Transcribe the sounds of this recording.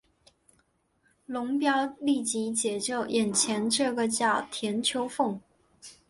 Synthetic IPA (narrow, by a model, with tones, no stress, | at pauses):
lʊ˧˥ŋpjɑ˥ʊli˥˩t͡ɕi˧˥t͡ɕjɛ˨˩ʈ͡ʂo˥˩ʊjɛ˨˩nt͡ɕʰjɛ˧˥nʈ͡ʂɤ˥˩ɡə˨t͡ɕjɑ˥˩ʊt̪ʰjɛ˧˥nt͡ɕʰjo˧˥ʊfʊ˥˩ŋ